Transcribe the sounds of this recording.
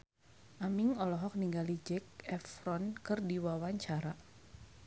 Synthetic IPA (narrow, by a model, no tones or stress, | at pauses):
ʔamiŋɔlɔɦɔk̚niŋɡalid͡ʒɛk̚ɛfɾɔnkɨrdiwawaɲt͡ʃaɾa